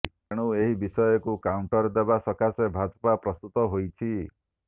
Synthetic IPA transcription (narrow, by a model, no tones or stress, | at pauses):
ɽ̃ueɦibisɔjɔkukauɳʈɔɾd̪ebasɔkasebʱad͡ʒpapɾɔst̪ut̪ɔɦojt͡ʃʰi